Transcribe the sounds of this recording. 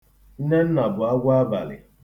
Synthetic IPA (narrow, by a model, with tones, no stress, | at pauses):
n̩˦ne˦n̩˦na˨bʊ˨a˦ɡʷʊ˦a˦ba˨lɪ̰˨